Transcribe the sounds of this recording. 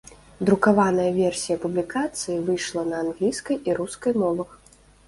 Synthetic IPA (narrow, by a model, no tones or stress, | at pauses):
d̪ɾukavanɐjɐvʲɛrsʲijɐpublʲikat̪sɨjivɨjʂlˠɐnɐːnɣlʲijskɐjiɾuskɐjmɔvɐx